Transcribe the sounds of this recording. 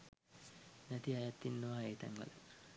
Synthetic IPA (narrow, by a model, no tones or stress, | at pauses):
næt̪iajat̪ːinːəʋaːeːt̪a̰ŋʋə̰lə